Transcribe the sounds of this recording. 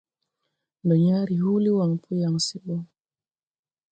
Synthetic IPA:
ndɔ˨ɲaː˦ɾi˨ɦuː˦li˦wa˨ŋpʰu˦ja˨ŋsi˦ɓɔ˦ŋ

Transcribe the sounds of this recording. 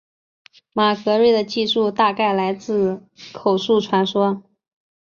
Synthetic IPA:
ma˨˩kɤ˧˥ɻe˥˩ɪd̪ə˩t͡ɕi˥˧ʂu˥˧t̪a˥˧ka˥˩ɪla˧˥ɪt͡sɹ̩˥˩ | kʰo˨˩ʊʂu˥˩ʈ͡ʂʰwa˧˥nʂwɔ˥

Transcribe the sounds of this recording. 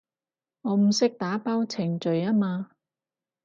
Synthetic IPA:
ŋɔː˨˧m̩˨˩sɪ˥k̚t̪aː˨˥paː˥wt͡sʰɪ˨˩ŋt͡ʃɵ˨˧ɥaː˥maː˧

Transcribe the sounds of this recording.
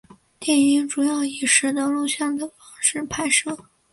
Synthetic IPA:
t̪jɛ˥˩ni˧˥ŋʈ͡ʂu˨˩jɑ˥˩ʊi˨˩ʂɻ̩˨˧˥d̪ə˧lu˥˧ɕjɑ˥˩ŋd̪ə˩fɑ˧˥ŋʂɻ̩˥˩pʰa˧˥ɪʂɤ˥˩

